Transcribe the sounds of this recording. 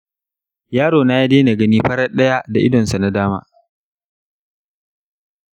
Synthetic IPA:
jaː˦ɽoː˨naː˦ji˦deː˦na˨ɡɐ˦niː˦ɸɐ˦ɽɐ˦ɗɐ˦ja˦da˨ʔɪ˦dɔ˨nsa˨na˦daː˦ma̰ː˦

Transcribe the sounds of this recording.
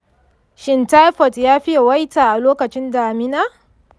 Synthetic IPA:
ʃɪ˨nta˦jɸɔ˨tjaː˦ɸi˦ja˨wa˦jtaː˨ʔa˨loː˦kɐ˨t͡ʃɪ˦ndaː˨mɪ˦na˦

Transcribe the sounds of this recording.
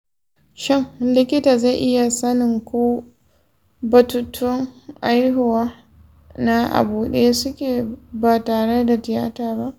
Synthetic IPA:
ʃɪ˦ŋlɪ˦kʲɪ˦taː˨za˦˨ʔɪ˦ja˨sɐ˦nɪ˨ŋkʷoː˦ | bɐ˨tuː˦tʰʊ˦ŋʔa˦jɦʊ˨waː˦ | na˦ʔa̰˨buː˨ɗe˦je˦sʊ˦kʲeː˨baː˨taː˨ɽe˦da˨tɪ˨ja̰ː˦taː˨ba˦ʔ

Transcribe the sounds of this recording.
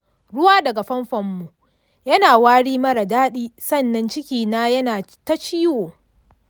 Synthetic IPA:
ɽʊ˦waː˦dɐ˨ɡa˨ɸɐ˦mɸɐ˨mːu˨ | jɐ˦naː˨waː˦ɽiː˦mɐ˦ɽɐ˨daː˦ɗiː˦sɐ˦˨nːɐ˦nt͡ʃɪ˦kʲiː˨naː˦jɐ˦naː˨ta˦t͡ʃiː˦woː˨

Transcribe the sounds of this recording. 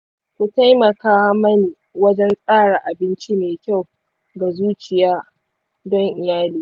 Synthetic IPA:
kʷu˨ta˦jmɐ˨kaː˦mɐ˦neː˨ | wɐ˦d͡ʒɛ˦ŋsʼaː˦ɽa˨ʔa˨bɪ˦nt͡ʃi˦meː˨kʲa˦˨w | ɡa˨zuː˦t͡ʃɪ˨jaː˦ | dɔ˦ŋʔɪ˨jaː˦liː˦

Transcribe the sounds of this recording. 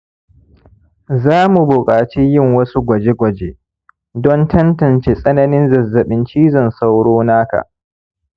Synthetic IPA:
zaː˦mu˨bʊ˨kʼaː˨t͡ʃi˦jɪ˦˨ŋwɐ˦su˦ɡʷɐ˨d͡ʒe˦ɡʷɐ˨d͡ʒe˦ | dɔ˦ntʰɐ˦ntɐ˨nt͡ʃeː˦sʼɐ˦nɐ˦nɪ˦nzɐ˨zːɐ˨ɓɪ˦nt͡ʃiː˦zɐ˨nsa˦wɽoː˦naː˦ka̰˨ʔ

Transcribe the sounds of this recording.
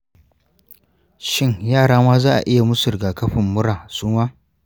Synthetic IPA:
ʃɪ˦ŋjaː˦˨ɽaː˦maː˦zaː˦ʔa̰˨ʔɪ˦ja˨mʊ˦sʊ˨ɾɡaː˨kɐ˦ɸɪ˨mːʊ˦ɽaː˨suː˦maː˦

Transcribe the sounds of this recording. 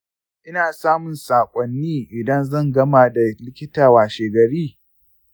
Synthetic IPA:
ʔɪ˦naː˨saː˦mʊ˨nsaː˨kʷʼɔ˨nːiː˦ʔɪ˨dɐ˦nzɐ˦˨ŋɡɐ˦maː˨da˨lɪ˦kʲɪ˦taː˨waː˨ʃeː˨ɡɐ˨ɾiː˦

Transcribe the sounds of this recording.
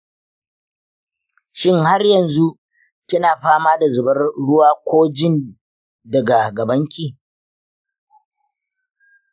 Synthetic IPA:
ʃɪ˦ŋha˦rjɐ˨nzu˦ʔ | kʲɪ˦naː˨ɸaː˦maː˦da˨zʊ˨bɐ˦rɽʊ˦waː˦kʷoː˦d͡ʒɪ˦˨n | dɐ˨ɡa˨ɡɐ˨bɐ˦ŋkʲiː˨

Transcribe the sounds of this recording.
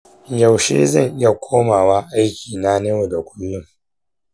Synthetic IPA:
ja˨wʃḛː˦zɐ˦˨ŋʔɪ˦ja˨kʷʰoː˦maː˨waː˦ʔa˦jkʲiː˨na˦ne˦wo˨da˨kʷʊ˦lːʊ˦ŋ

